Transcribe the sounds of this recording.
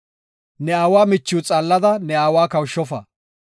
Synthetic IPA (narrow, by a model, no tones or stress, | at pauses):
nɛaːwaːmɪt͡ʃːuːt͡sʼaːlːɐd̪ɐnɛaːwaːkɐwʃːɔfɐ̰